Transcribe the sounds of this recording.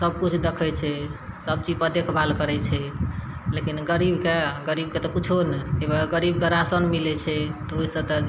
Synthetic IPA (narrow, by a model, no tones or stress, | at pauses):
səb̚kut͡ʃʰd̪ekʰɛt͡ʃʰɛsəb̚t͡ʃid͡ʒpəd̪ekʰbʱalkəɾɛt͡ʃʰɛ | lekinɡəɾibkeɡəɾib̚ket̪ɔkut͡ʃʰonɛebaɡəɾibkəɾasənmilɛt͡ʃʰɛt̪ɔoisəbt̪ɔ